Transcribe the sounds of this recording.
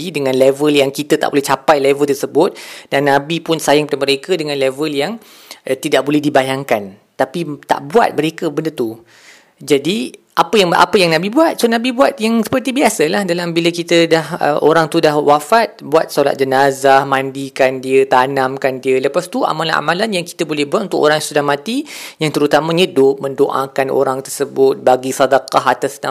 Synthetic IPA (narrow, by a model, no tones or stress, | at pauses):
idəŋãnlevəljaŋkit̪ət̪a̰ʔbolɛht͡ʃapajlevəlt̪ərsəbʊt̪̚d̥anːãbipʊnsajaŋput̪aməɾekədəŋãnlevəljaŋ | t̪idaʔk̚bolɛhdibajaŋkan | t̪apit̪a̰ʔbua̰t̪̚məɾekəbəndət̪u | d͡ʒadiʔapəjaŋa̰pəjaŋnãbibuat̪̚sonãbibuat̪jaŋsə̥pərt̪ibiasəlahdalambiləkit̪ədahə̰ʔoɾaŋt̪udahwafat̪̚buat̪̚sola̰t̪̚d͡ʒənazamãndikandiət̪anãmkandiələpast̪uʔa̰mala̰nʔa̰mãlanjaŋki̥t̪əbolɛhbuat̪̚unt̪ʊko̰ɾaŋ̃sudahmãt̪ijaŋt̪əɾut̪amãɲədʊp̚mə̃ndoʔa̰kano̰ɾaŋt̪ərsəbʊt̪̚baɡisadakaɦat̪asna